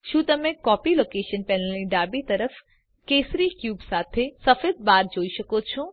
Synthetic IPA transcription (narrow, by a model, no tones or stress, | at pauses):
ʃũːt̪ɐmẽkɔːpiloːkeːʃənpɛnəliɖaːbit̪ɐɾəf | keːsɾikjuːbsaːt̪ʰesɐfed̪̚baːɾd͡ʒoːiʃəkot͡ʃʰõː